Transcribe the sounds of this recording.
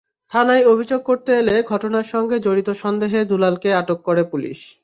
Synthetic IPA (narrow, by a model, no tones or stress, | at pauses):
t̪ʰanajobʱid͡ʑoɡ̚koɾt̪eeleɡʱɔʈonaɾʃɔŋɡed͡ʑoɽit̪oʃɔnd̪eɦed̪ulalkeaʈokːoɾepulḭʃ